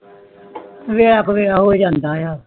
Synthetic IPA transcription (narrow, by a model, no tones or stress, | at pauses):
ʋeːaːkʋeːaːɦoːid͡ʒãːnd̪aːjaː